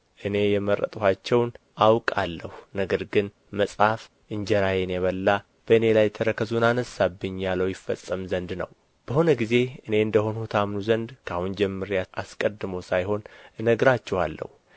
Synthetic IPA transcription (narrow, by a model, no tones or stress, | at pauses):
ʔɨne̞jɛmərʔə̰t̪ʼuhat͡ʃːɛwn | ʔawkʼalːəhunəɡəɾɡɨn | məsʼhaf | ʔɨɲd͡ʒɛɾajenjɛβəlːa | b̥əɨne̞lajt̪ʰəɾəkʰəzunanəsabːɨɲːjaləwjɪfːə̰sʼːəmzənd̪nə̰w | b̥əho̞nəɡize̞ɨne̞ɨnd̪əho̞nhut̪ʰamnuzənd̪kʰahund͡ʒɛmːɨɾjaaskʼəd̪ːɨməwsajho̞nɨnəɡɾat͡ʃːɛwalːə̰hu